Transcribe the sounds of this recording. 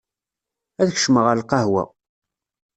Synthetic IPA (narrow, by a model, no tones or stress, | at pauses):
æðçʃməʁəɾlqɑhwæ̰